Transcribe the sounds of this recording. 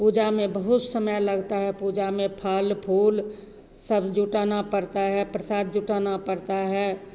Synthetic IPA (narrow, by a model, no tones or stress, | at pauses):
pud͡ʒamẽbəɦʊt̪səməjləɡt̪aɦɛpud͡ʒamẽpʰalpʰuːl | səbd͡ʒuʈanapəɽt̪aɦɛpɾəsaːd̪̚d͡ʒuʈanapəɽt̪aɦɛ